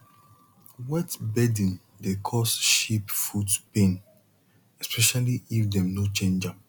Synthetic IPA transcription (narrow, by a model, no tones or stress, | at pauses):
wɛtbɛdĩn | dekʰɔsʃipfudpẽn | ɛspɛʃaliifdɛ̃mnot͡ʃẽnd͡ʒãm